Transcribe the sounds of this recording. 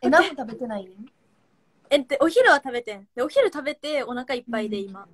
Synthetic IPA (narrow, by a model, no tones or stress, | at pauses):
enãet̪abe̞t̪e̞naine | ẽnt̪ːeʔo̞çiɾɯ̟βat̪abe̞t̪ẽɴ̃d̪̥e̞o̞çiɾɯ̟t̪abe̞t̪e̞o̞nakaipːaid̪e̞ima